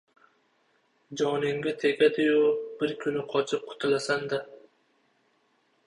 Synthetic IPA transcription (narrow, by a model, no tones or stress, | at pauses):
d͡ʒɒnɪŋɡʲat̪ʰe̞ɡʲad̪ɪjʊb̥ɪɾkʲʰʊnɪqʰɒt͡ʃʰɪp̚qʰʊ̥t̪ʰɪlasand̪a